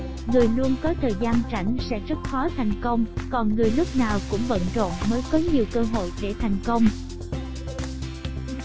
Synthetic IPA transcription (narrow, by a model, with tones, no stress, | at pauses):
ŋɨ˨˩əjlu˧ənkɔ˨˦t̪ʰəː˨˩jzaː˧nt͡ɕa̰˧˩jŋ̟sɛ̰˧˥zə˦˥t̚xɔ˨˦t̪ʰa˨˩jŋ̟kə˧wŋ͡mkɔ˨˩nŋɨ˨˩əjlʊ˦˥k͡p̚naː˨˩wkʊ̰˧˥ŋ͡mvə̰˧˥nt͡ɕo̰˧˨nməː˨˦jkɔ˨˦ɲi˨˩əwkəː˧ɦo̰˧˨jve˧˩t̪ʰa˨˩jŋ̟kə˧wŋ͡m